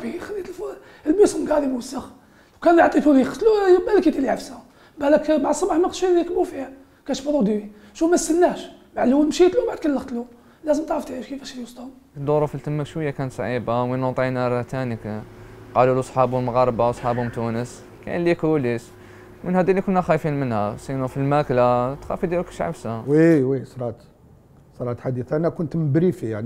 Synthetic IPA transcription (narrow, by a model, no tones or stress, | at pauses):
bixælːit̪lf | lbusəmɡɑd̪imwsːəx | wkænjʕt̪ˤit̪ulixt̪lujbæləkit̪iliʕafsæ | bæləkbaʕd̪sˤɑmɑħmq̪ʃikbufihæ | kæʃfɑdˤud̪iwi | ʃumæsːəlnæʃmaʕluwəlmʃit̪lubaʕd̪̚kænlːəxt̪lu | læzəmt̪ʕɾəft̪ʃkibæʃlwsˤt̪ɑ | d̪uɾufilt̪əmːəkʃwəjːækænt̪sˤʕibaminot̪ˤinæɾˤt̪ænikqɑlulusˤħɑbʊmɣɑɾˤbawsˤħɑbhʊmt̪unəs | kæ̰nlːikulis | wminhæd̪ilːikʊnːæxæfinmənhæsinufilmæklat̪xæ̰fid̪ilukæ̥ʃʕa̰bsæwiwisɾˤɑt̪ | sˤɑɾˤɑt̪ħad̪iθænækʊnt̪məbɾifijaʕni